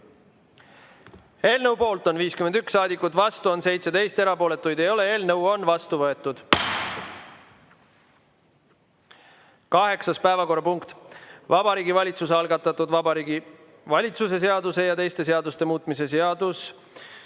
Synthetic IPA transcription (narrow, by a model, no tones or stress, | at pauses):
e̞ːlnəwpo̞ːlt̪ˑo̞nviːskymend̪ykssɑːd̪ikːˑut̪vɑst̪uo̞nse̞jt̪set̪e̞jst̪e̞ɾɑpo̞ːle̞t̪ːˑujd̪̥ejo̞le̞e̞ːlnɤwo̞nvɑst̪uvɤe̞t̪ːˑud̪̥ | kɑɦe̞ksɑspæevɑko̞rːɑpuŋkt̪vɑbɑɾiːɡivɑlʲit̪suseɑlɡ̥ɑt̪ːˑɑt̪ːˑud̪vɑbɑɾiɡi | vɑlʲit̪suse̞s̬e̞ɑd̪use̞jɑt̪e̞jst̪e̞s̬e̞ɑd̪ust̪e̞muːt̪ˑmise̞s̬eɑd̪̥us